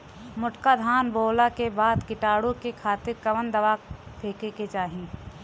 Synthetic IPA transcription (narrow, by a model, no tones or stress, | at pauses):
mʊʈkad̪ʱaːnboːlakebaːd̪kɪʈaːɽõkekʰaːt̪ɪɾkɐʋənd̪ɐʋaːpʰeːkeket͡ʃaːɦĩ